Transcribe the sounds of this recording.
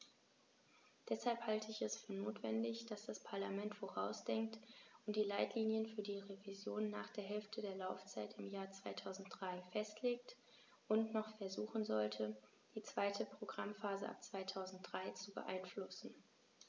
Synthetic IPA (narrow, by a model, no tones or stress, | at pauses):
d̥ɛshalphaltʰəɪçɛsfyːɐnoːtv̥ɛndɪçd̥asd̥aspʰaɐlamɛntfoʁaʊsd̥ɛŋk̚tʊnt̚d̥iːlaɪtʰliːnjənfyːɐdiːʁevizjoːnːa̰ːχd̥eːɐɦɛlftʰədeːɐlaʊft͡saɪtɪmjaːɐt͡sv̥aɪtʰaʊzn̩t̚d̥ʁaɪfɛstʰleːk̚t | ʔʊntnɔχfɛɐzuːχn̩zɔltʰə | d̥iːt͡sv̥aɪtʰəpʁ̥oɡʁamfaːzəʔa̰p̚t͡sv̥aɪtʰaʊzn̩t̚d̥ʁaɪt͡subə̰ʔa̰ɪnflʊsn̩